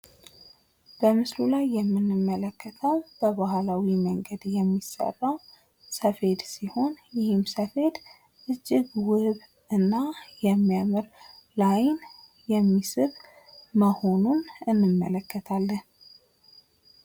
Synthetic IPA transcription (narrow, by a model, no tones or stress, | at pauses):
b̥əmɨslulajːɛmːɨnːɨmːələkːət̪ʰəwb̥əbahlawiməŋɡəd̪jɛmːisə̰rːaw | səfe̞d̪siho̞njɪhɨmsəfe̞d̪ | ʔɨd͡ʒːɪɡwɨβ | ɨnːajɛmːijamɨɾlajn | jɛmːisɨβ | məho̞nunɨnːɨmːə̰ləkːət̪ʰalːən